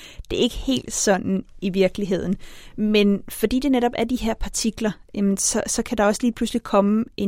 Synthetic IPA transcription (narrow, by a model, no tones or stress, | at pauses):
d̥e̝ɐe̝ɡ̥əhe̝̰ːld̥sɒ̽n̰n̩iʋiɐɡ̥liɦe̝ð̞̰ˠn̩menfɒ̽d̥ḭːd̥e̝neɾɒ̽b̥æɐd̥iɦe̝ɐ̰pʰɑ̈t͡sʰiɡ̥lɐjæmnsɒ̽sɒ̽kʰæd̥ɑ̈ɒ̽sliːpʰluslikʰɒ̽məʔe̝